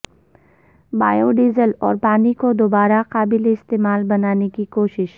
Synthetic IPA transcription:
baːjoɖiːzəlɔ̰ːɾpaːnikod̪oːbaːɾaqaːbɪleɪst̪eːmaːlbɐnaːnekikoːʃɪʃ

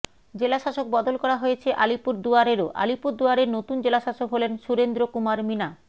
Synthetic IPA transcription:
d͡ʑelaʃaʃok̚bɔd̪olkɔɾaɦojet͡ɕʰeʔalipuɾd̪uaɾeɾoʔa̰lipuɾd̪uaɾeɾnot̪und͡ʑelaʃaʃokɦolenʃuɾend̪ɾokumaɾmina

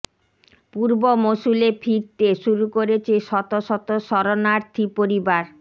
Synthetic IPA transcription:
puɾbomosulefʰiɾt̪eʃuɾukoɾet͡ɕʰeʃɔt̪oʃɔt̪oʃɔɾonaɾt̪ʰipoɾibaɾ

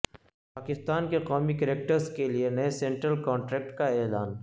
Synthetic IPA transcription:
paːkɪst̪aːnkeqɔːmikɐɾeːk̚ʈəɾskelienɐesẽːɳʈɾəlkɔ̃ːɳʈɾɛːk̚ʈkaeːlaːn

